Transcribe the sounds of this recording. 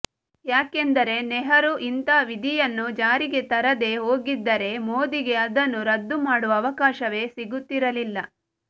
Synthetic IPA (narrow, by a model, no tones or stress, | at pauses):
jaːkend̪ɐɾe̞nɛɦɐɾuʔint̪aːʋid̪ʱijɐnːud͡ʒaːɾiɡe̞t̪ɐɾɐd̪e̞ːɦoːɡid̪ːɐɾe̞moːd̪iɡe̞ɐd̪ɐnːuɾɐd̪ːumaːɽuʋɐːʋɐkaːʃɐʋe̞ːsiɡut̪ːiɾɐlilːɐ